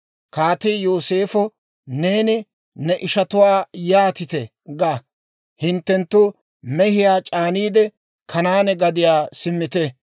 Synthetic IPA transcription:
kaːt̪ɪjoːse̞ːfɔ | ne̞ːnɪ | nɛʔɪʃɐt̪ʊwaːjaːt̪ɪt̪ɛ | ɡa | hɪnt̪ːɛnt̪ːʊ | mɛhɪjaːt͡ʃʼaːniːd̪ɛ | kʰɐnaːnɛɡɐd̪ɪjaːsɪmːɪt̪ɛ

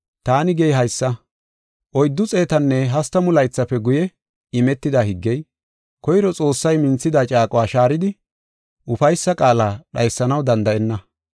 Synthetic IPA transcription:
t̪aːnɪɡɛjɦɐjsːɐ | ʔɔjd̪ːʊt͡sʼe̞ːt̪ɐnːɛɦɐst̪ːɐmʊlɐjt͡sːɐpːɛɡʊjɛ | ɪmɛt̪ːɪd̪ahɪɡːɛj | kɔjɾɔt͡sʼo̞ːsːɐjmɪnt͡sːɪd̪aːt͡ʃʼaːkʼʊwaːʃaːɾɪd̪ɪ | ʔʊfɐjsːɐkʼaːlaːɗɐjsːɐnɐwd̪ɐnd̪ɐʔɛnːɐ

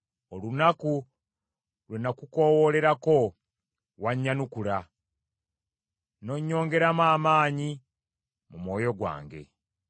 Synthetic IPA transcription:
olunaku | lwenakuko̞wole̞ɾako̞ | waɲːanukula | no̞ɲːo̞ːŋɡe̞ɾamaːmaːɲi | mumwo̞ːjo̞ɡwa̰ːŋɡe̞̰

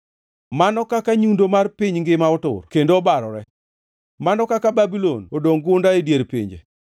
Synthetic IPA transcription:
manɔkakaɲundomarpiɲŋɡɪmaʊtʊ̰rkendoːbaɾɔɾɛ | manɔkakababilonodoŋɡʊndaedjeɾpḭɲd͡ʒḛ

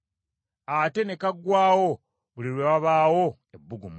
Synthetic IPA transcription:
ate̞nekaɡwaːwo | βuliɾwewaβaːwo̞ | ebːuɡum

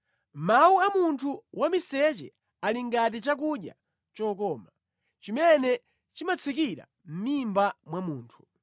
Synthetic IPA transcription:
mauamuntʰuwamisɛt͡ʃɛ̰ | aliŋɡat̬it͡ʃak̬uɗja̰ | t͡ʃɔːkɔːma | t͡ʃimɛnɛ | t͡ʃimat͡sʰik̬iɾa̰ | m̩mimbamwamuːntʰu̥

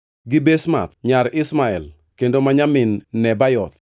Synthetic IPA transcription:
ɡɪbesma̰t̪ɲaɾɪsmaɛl | kendomaɲamɪnːɛbajɔt̪̚

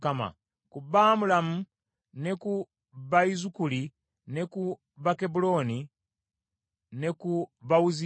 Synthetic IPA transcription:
kama̰ | kubaːmulamu | ne̞ku | βaizukuli | ne̞ku | βake̞bulo̞ːni | ne̞kuβawuzi

